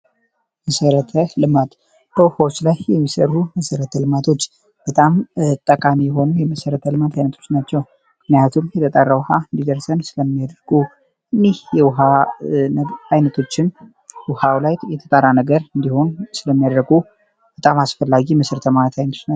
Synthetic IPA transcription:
məsəɾət̪ʰəlɨmat̪ | b̥əwʊhawot͡ʃːlajjɛmːisə̰rːuməsəɾət̪ʰəlɨmat̪ʰo̞t͡ʃː | b̥ət̪ʼamt̪ʼːəkʼamijɛɦo̞nujɛməsəɾət̪ʰəlɨmat̪ʰajnət̪ʰo̞t͡ʃːnat͡ʃːɛw | ɨknijat̪ʰumjɛt̪ʰət̪ʼarːawhaɨnd̪id̪əɾsənsɨləmːijad̪ɾɡu | ɨnːehjɛwʊɦa | ajnət̪ʰo̞t͡ʃːɪn | wʊhawlajjɛt̪ʰət̪ʼarːanəɡəɾɨnd̪iho̞nsɨləmːijad̪ɾəɡu | b̥ət̪ʼamasfəlːaɡiməsəɾət̪ʰəmanət̪ʰajnəonəw

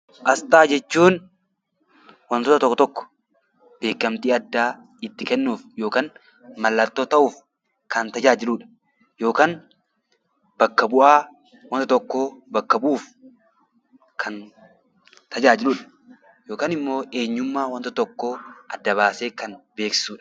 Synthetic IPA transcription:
ʔɐst̪aːd͡ʒɛt͡ʃːuːn | wɐnt̪ɔːt̪ɐt̪ɔkːt̪ɔkːɔ̥ | b̥e̞ːkːɐmt̪iːɐd̪ːaː | ɪt̪ːɪkɛnːuːfjo̞ːkaːn | mɐlːɐt̪ːoːt̪ɐʔuːf | kɐnt̪ɐd͡ʒaːd͡ʒɪluːᶑɐ̥ | jo̞ːkaːn | b̥ɐkːɐbʊʔaː | wɐnt̪t̪ɔkːobɐkːɐbuːf | kʰɐn | t̪ɐd͡ʒaːd͡ʒɪluːᶑɐ̥ | joːkaːnɪmːo̞ːʔe̞ːɲːʊmːaːwɐnt̪ɐt̪ɔkːoʔɐd̪ːɐβaːse̞ːkɐnbe̞ːksɪ̥suːᶑɐ

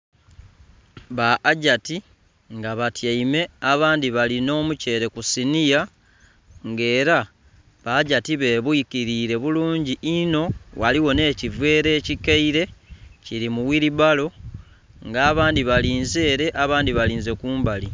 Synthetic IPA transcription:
βaʔːɟati | ŋɡaβatjaime̞aβaːndiβalino̞ːmuce̞ːɾe̞kusinija | ŋɡe̞ːɾa | βaːɟatiβe̞ːβwikiɾiːɾe̞βuluːɲɟiʔino̞waliwo̞ne̞ːcivwe̞ːɾe̞ːcikeiɾe̞ciɾimuwiɾiβalo̞ | ŋɡaːβaːndiβaliːnze̞ːɾe̞ʔaβaːndiβaliːnze̞kuːmbali

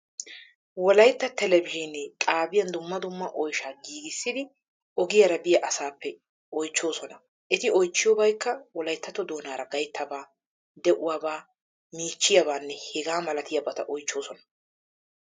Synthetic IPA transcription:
wɔlɐjt̪ːɐt̪ɛlɛbɪʒɪnɛkʼaːbɪjɐnd̪ʊmːɐd̪ʊmːɐʔɔjʃaːɡiːɡɪsːɪd̪ɪ | ʔɔɡɪjɐɾɐbɪjɐʔɐsaːpːɛ | ɔjt͡ʃːo̞ːsɔnɐ | ʔɛt̪ɪɔjt͡ʃːɪjoːbɐjkːɐwɔlɐjt̪ːɐt̪ɔd̪o̞ːnaːɾɐɡɐjt̪ʰːɐbaː | d̪ɛʔʊwaːbaː | miːt͡ʃːɪjɐbaːnːɛhɛɡaːmɐlɐt̪ɪjɐbɐt̪ɐʔɔjt͡ʃːo̞ːsɔnɐ̥

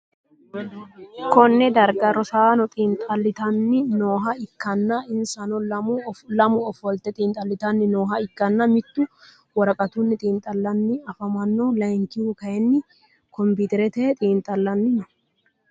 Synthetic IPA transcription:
kɔnːɛd̪ɐɾɡɐɾɔsaːnɔt̪ʼiːnt̪ʼɐlːɪt̪ɐnːɪnoːɦɐɪkːɐnːɐɪnsɐnɔ | lɐmʊɔfɔlt̪ɛt̪ʼiːnt̪ʼɐlːɪt̪ɐnːɪnoːɦɐɪkːɐnːɐmɪt̪ːʊ | wɐɾɐkʼɐt̪ʊnːɪt̪ʼiːnt̪ʼɐlːɐnːɪɐfɐmɐnːolɐjŋkɪhukɐjɛnːɪ | kɔmbiːt̪ɛɾɛt̪ɛt̪ʼiːnt̪ʼɐlːɐnːɪnɔ

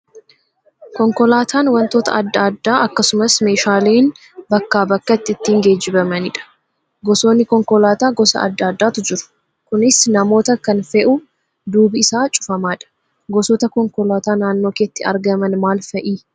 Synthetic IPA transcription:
kɔŋkɔlaːt̪ʰaːnwɐnt̪o̞ːt̪ɐ̰ɐd̪ːaːd̪ːaːɐkːɐsʊmɐsme̞ːʃaːleːn | bɐkːaːbɐkːɐt̪ːɪɪt̪ːiːŋɡe̞ːd͡ʒːɪbɐmɐnɪᶑɐ̥ | ɡɔso̞ːnːɪkɔŋkɔlaːt̪aːɡɔsɐ̰ɐ̰d̪ːaːd̪ːaːt̪ʊd͡ʒɪɾʊ̥ | kʊnɪsnɐmo̞ːt̪ɐkɐnfɛʔʊ | d̪uːbɪɪsaːt͡ʃʼʊ̥fɐmaːᶑɐ̥ | ɡɔsɔːt̪ɐkɔŋkɔlaːt̪aːnaːnːoːkeːt̪ːɪɐ̰ɾɡɐmɐnmaːlfɐʔiː

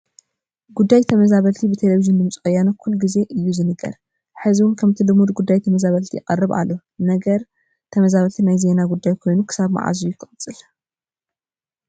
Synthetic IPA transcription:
ɡud̪ːajt̪ʰɐmɐzaβɐlt̪ʰibɨt̪ʰeleβizind̪ɨmt͡sʼxʼɐjanokʰulːɡize̞ʔɨjːuzɨnɨɡɐ̰ɾ | ħɨziwʊnkʰɐmt̪ʰilɨmud̪ɡud̪ːajt̪ʰɐmɐzaβɐlt̪ʰiʔɪkʼɐrːɨβa̰lːo̞ | nɐɡɐɾ | t̪ʰɐmɐzaβɐlt̪ʰinajze̞naɡud̪ːajkʰo̞jnukʰɨ̥saβma̰ʕa̰zujɪkʰɨχʼt͡sʼɨl

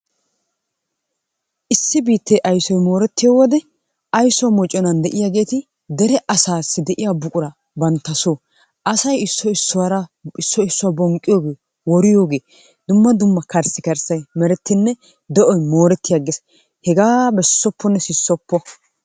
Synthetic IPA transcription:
ʔɪsːɪbiːt̪ːejʔɐjsɔjmo̞ːɾɛt̪ːɪjowɔd̪ɛ | ʔɐjsɔwmɔt͡ʃʼːɔnɐnd̪ɛʔɪjaːɡe̞ːt̪ɪ | d̪ɛɾɛʔɐsaːsːɪd̪ɛʔɪjaːbʊkʼʊɾɐ | bɐnt̪ːɐsoː | ʔɐsɐjɪsːɔɪsːʊwaɾɐɪsːɔɪsːʊwɐbɔŋkʼːɪjoːɡe̞ː | wɔɾɪjo̞ːɡe̞ː | d̪̥ʊmːɐd̪ʊmːɐkɐɾsɪkɐɾsɐjmɛɾɛt̪ːɪnːɛ | d̪ɔʔɔjmo̞ːɾɛt̪ːɪjaɡɛs | hɛɡaːbɛsːɔpːɔnːɛsɪsːɔpːɔ

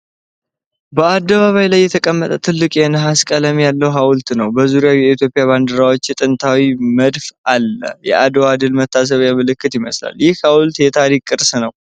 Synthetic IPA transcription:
bəad̪ːəβaβajlajːɛt̪ʰəkʼəmːət̪ʼət̪ʰɨlːɨkʼjɛnɦaskʼələmjalːəwɦawʊlt̪nəwbəzuɾjawjɛit̪ʰjo̞pʼɪjaβand̪əɾawo̞t͡ʃːɛt̪ʼɨnt̪ʰawiməd̪fʔalːə̰jɛ̰ʔad̪oad̪ɨlmət̪ʰːas̬əβjamɨlɨkːɨt̪jɪməsla̰lːjɪhhawlt̪jɛt̪ʰaɾikʼːɨɾsnəw

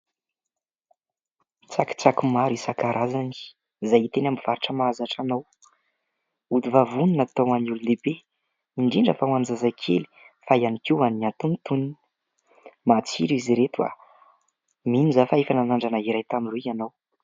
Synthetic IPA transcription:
t͡saki̥t͡sakumaɾisakaɾʔazani̥ | zajit̪enamiv̥aɾiʈ͡ʂəmazaʈ͡ʂanaw | ud̪ivavununat̪owanulund̪ebe | iɳɖ͡ʐiɳɖ͡ʐəfawanzazakʰḛli̥ | fajanikiwanat̪unt̪uni | mat͡siɾuiziɾet̪uwa̰ | minizafaefananaɳɖ͡ʐanaiɾajt̪amiruanaw

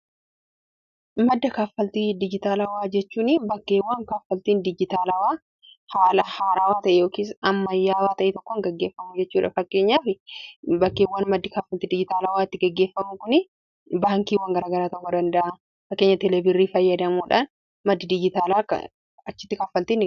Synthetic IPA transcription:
mɐd̪ːɐkaːfːɐlt̪iːd̪ɪd͡ʒɪt̪aːlɐwaːd͡ʒɛt͡ʃːuːnɪbɐkːeːwːaːŋkaːfɐlt̪iːnd̪ɪd͡ʒɪt̪aːlɐwaː | haːlɐhaːɾaːwaːt̪ɐʔɛjo̞ːkiːs̬ɐmːɐjːaːwaːt̪ɐʔɛt̪ɔkːɔŋɡɐɡːe̞ːfːɐmʊd͡ʒɛt͡ʃːuːᶑɐ̰fɐkːe̞ːɲːaːfɪbɐkːeːwːaːnmɐd̪ːɪkaːfːɐlt̪iːd̪ɪd͡ʒɪt̪aːlɐwaːɪt̪ːɪɡɐɡːeːfːɐmʊkʊnɪ | baːŋkiːwɐːŋɡɐɾaːɡɐɾaːt̪ɔkːɔd̪ɐnd̪ɐʔɐ | fɐkːeɲːɐt̪ɛlɛbɪrːiːfɐjːɐd̪ɐmuːᶑa̰ːn | mɐd̪ːɪd̪ɪd͡ʒɪt̪aːlaːk | ɐt͡ʃːɪt̪ːɪkaːfɐlt̪iːn

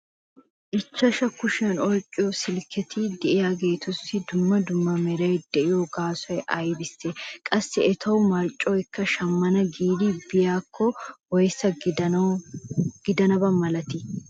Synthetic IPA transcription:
ʔɪt͡ʃːɐʃɐkʊʃɛnɔjkʼːɪjɔsɪlkʰɛt̪ʰɪd̪ɛʔɪjaːɡe̞ːt̪ʊsːɪd̪ʊmːɐd̪ʊmːɐmɛɾɐjd̪̥ɛʔɪjoɡaːsɐjʔɐjbɪsːɛkʼɐsːɪɛt̪ʰɐwʊmɐɾt͡ʃʼːɔjkːɐʃɐmːɐnɐɡiːd̪ɪbɪjaːkʰːɔwɔjsːɐ | ɡ̥ɪd̪ɐnɐbɐmɐlɐt̪ɪ

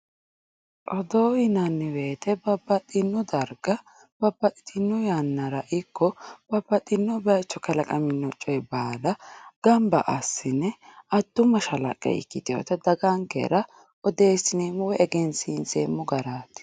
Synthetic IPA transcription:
ʔɔd̪oːɪnɐnːɪweːt̪ɛbɐbːɐt̪ʼːɪnːɔd̪ɐɾɡɐ | b̥ɐbːɐt̪ʼːt̪ʼɪnːɔjanːɐɾɐʔɪkːɔb̥ɐbːɐt̪ʼːɪnːɔbɛt͡ʃːɔkɐlɐkʼɐmɪnːɔt͡ʃʼːɔjɛbaːlɐɡ̥ɐmbɐ̰ʔɐsːɪnɛɐd̪ːʊmːɐʃɐlɐ̰kʼːɛ̰ɪ̰kːɪt̪ɪo̰ːt̪ɛd̪ɐɡaŋkɛ̰ɾɐ | ɔd̪e̞ːsɪneːmːʊwɛɛɡɛnsinsḛːmːʊɡɐɾaːt̪ɪ̥

